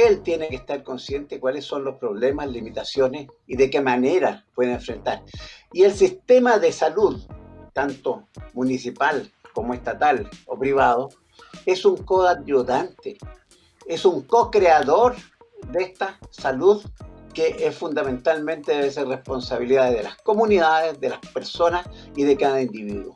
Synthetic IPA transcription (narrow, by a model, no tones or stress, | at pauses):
elt̪je̞nekest̪aɾko̞nsje̞nt̪ekwalesːo̞nlospɾo̞βlemaslimit̪asjo̞nesiðekemaneɾapwe̞ðeeɱfɾent̪aɾielsist̪emaðesaluðt̪ant̪omunisipalkomoest̪at̪alopɾiβaðo | e̞suŋkoðad̪oðant̪e | esuŋkokɾeaðoɾ | d̪est̪asaluðkeʔesfund̪amẽ̞nt̪almẽnt̪eðeβes̬erehpo̞nsaβiliðaðeðelasko̞muniðaðezðelaspeɾso̞nas | iðekaðaind̪iβiðwo̰